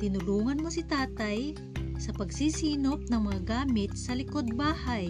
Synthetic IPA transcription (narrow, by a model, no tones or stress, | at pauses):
t̪ɪnʊluːŋɐnmosɪt̪aːt̪aj | sɐpɐɡsiːsiːnop̚nɐŋmɐŋaɡaːmɪt̪̚sɐlɪkod̪̚baːhaj